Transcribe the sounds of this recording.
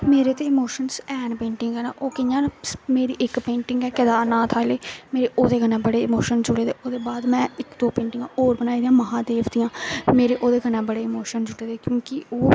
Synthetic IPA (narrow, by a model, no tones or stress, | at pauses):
meːɾeːt̪eːɪmoːʃənsɛːnpẽːɳʈɪŋɡɛːna̰ːʔoːkɪjãːsmeːɾiːʔɪkpẽːɳʈɪŋɡɛːkɪd̪aːnaːt̪ʰaːleːmeːɾeːʔoːd̪eːɡənẽːbəɽeːɪmoːʃənd͡ʒʊɽeːd̪eːoːd̪eːbaːd̪mɛ̃ːɪkd̪oːpẽːɳʈɪŋɡãːoːɾbənaːiːd̪ijãːməɦãːd̪eːkʰd̪iːjãːmeːɾeːʔoːd̪eːɡənẽːbəɽeːmoːʃənd͡ʒʊɽeːd̪eːkjõːkɪoː